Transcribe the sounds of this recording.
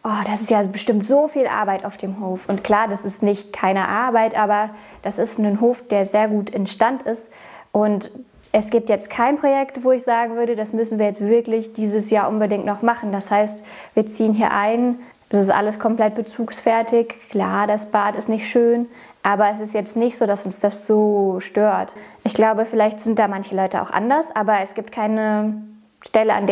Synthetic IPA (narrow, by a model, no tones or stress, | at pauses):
ʔɔːd̥asɪ̥stjaːbəʃtɪmtz̥oːfiːlʔa̰ɐbaɪtaʊfd̥eːmɦoːfʔʊntkl̥aːɐdasɪstnɪçtkʰaɪnəʔaɐbaɪtʔaːbɐd̥asɪstnənɦoːfd̥eːɐzeːɐɡuːtɪnʃtantɪst | ʔʊnt | ʔɛsɡ̥iːp̚tjɛt͡stkʰaɪnpʁ̥ojɛktv̥oːɪçz̥aːɡŋ̩vʏɐdədasmʏsn̩viːɐjɛt͡stv̥ɪɐklɪçd̥iːzəsjaːɐʔʊnbədɪŋtnɔχmaχn̩dashaɪst | viːɐt͡siːənɦiːɐʔaɪn | ɛsɪstʔa̰ləskʰɔmpl̥ɛt̚b̥ət͡suːksfɛɐtʰɪçkʰl̥aːɐdasb̥aːtɪstnɪçtʃøːn | ʔaːbɐɛs̬ɪstjɛt͡stnɪçtz̥oːdasʊnsd̥asz̥oːʃtøːɐtʔɪçɡ̥laʊbəfɪlaɪçtz̥ɪnt̚d̥aːmançəlɔʏtəa̰ʊxʔa̰ndɐsʔaːbɐɛsɡ̥iːp̚tkʰaɪnə | ʃtɛləandeː